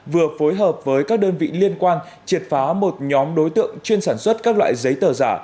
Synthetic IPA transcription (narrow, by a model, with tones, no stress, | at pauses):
vɨ˨˩əfo˨˦jɦəː˨˩p̚vəː˨˦jkaː˦˥k̚ɗəː˧nvḭ˧˨li˧ənkwaː˧n | t͡ɕi˨˩ət̚faː˨˦mo˨˩t̚ɲɔ˨˦mɗo˨˦jt̪ɨ̰˧˨əŋt͡ɕwi˧ənsaː˧˩nswə˦˥t̚kaː˦˥k̚la̰ː˧˨jzə˨˦jt̪əː˧˩zaː˧˩